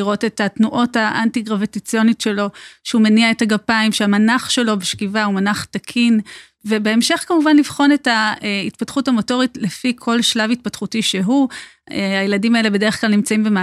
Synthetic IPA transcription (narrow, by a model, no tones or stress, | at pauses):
iʁo̞te̞tatnuʔo̞taʔantiɡʁavetit͡sio̞nitʃe̞lo̞ʃeumeniaethaɡapaimʃeamanaχʃe̞lo̞beʃkivaumanaχtakʰin | ve̞be̞emʃe̞χkamuvanlivχo̞ne̞taitpatχutamo̞to̞ʁitlefikʰo̞lʃlavit̚patχutiʃe̞ɦu | ajeladimae̞le̞be̞de̞eχklalnimt͡saimbema